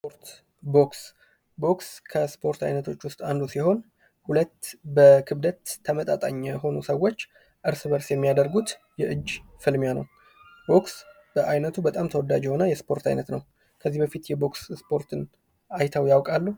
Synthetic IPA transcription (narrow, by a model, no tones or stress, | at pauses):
spoɾt̪ | boks | bo̞kskʰəspʰo̞ɾt̪ʰa̰jnət̪ʰo̞t͡ʃːwʊst̪ʼand̪usiho̞n | hulət̪ːbəkʰɨβd̪ət̪ʰːəmət̪ʼat̪ʼa̰ɲːɛɦo̞nusəwːo̞t͡ʃː | ʔɨɾsɨβəɾsjɛmːijad̪əɾɡut̪ | jɛʔɨd͡ʒːfɨlmjanə̰w | bo̞ks | bəʔajnət̪ʰubət̪ʼamt̪ʰəwɔd̪ːad͡ʒɛho̞nəjɛspʰo̞ɾt̪ʰa̰jnət̪nəw | kʰəzːibəfit̪jɛbo̞ksspʰo̞ɾt̪ʰɨn | ajt̪ʰawjawkʼalːu